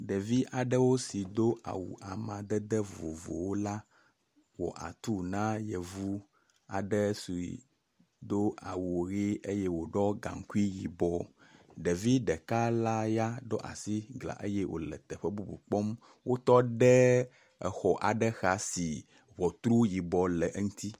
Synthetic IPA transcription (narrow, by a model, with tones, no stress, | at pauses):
ɖɛ˨vi˦ʔa˨ɖɛ˦wo˦si˨d̪o˦ʔa̰˨wṵ˨ʔa˨mã˨d̪ɛ˦d̪ɛ˦vo˨vo̰˨wo˦la˦ | wɔ̰˨ʔa̰˨t̪u˦nã˦jɛ˨vu˦ | a̰˨ɖɛ˦su˨i˨ | d̪o˦ʔa̰˨wu˨ɣi˦ʔe˦jɛ˦wo˨ɖɔ˦ɡã̰˨ŋ˨ku˦i˦ji˨bɔ˨ɖɛ˨vi˦ɖɛ˨ka˦la˦ja˦ɖɔ˦ʔa̰˨si˦ɡla̰˨ʔe˦jɛ˦wʔo̰˨lɛ̰˨t̪ɛ˨ɸɛ˦bu˦bu˨k͡pɔ˦m | wʔo˦t̪ɔ˦ɖɛ˦ | ɛ˨xɔ˨ʔa˨ɖɛ˦xa˦si˨ | βɔ˨t̪ɾu˦ji˨bɔ˨lɛ˨ʔŋũ˦t̪i˦